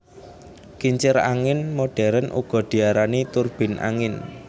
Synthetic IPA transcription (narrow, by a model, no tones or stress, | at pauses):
kiɲt͡ʃɪɾa̰ŋɪnmoɖ̥ɛ̤ɾənʔṵɡ̥ɔ̤ɖ̪̥i̤aɾanit̪urb̥ɪ̤nʔa̰ŋɪn